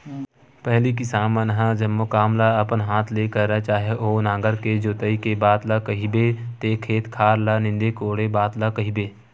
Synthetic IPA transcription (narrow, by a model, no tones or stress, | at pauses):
pɛɦlikɪsaːmənɦãd͡ʒəmːokaːmlaɐpənɦaːt̪ʰleːkəɾət͡ʃaːɦeʔoːnãːɡəɾked͡ʒoːt̪əikebaːt̪lakɐɦibet̪eːkʰeːt̪kʰaːɾlanɪ̃nd̪ekoːɽebaːt̪lakɐɦibeː